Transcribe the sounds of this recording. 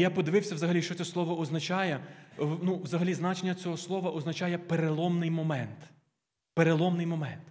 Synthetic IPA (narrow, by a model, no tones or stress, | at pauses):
japɔd̪ɪʋɪwsʲɐwzɐɦɐlʲiʃt͡ʃɔsʲɛslˠɔʋɔɔznɐt͡ʃɑjɛnuwzɐɦɐlʲiznɑt͡ʃenʲːɐt͡sʲɔɦɔslˠɔʋɐʔɔznɐt͡ʃɑjɛpeɾelˠɔmnɪjmɔmɛnt̪ | peɾelˠɔmnɪjmɔmɛnt̪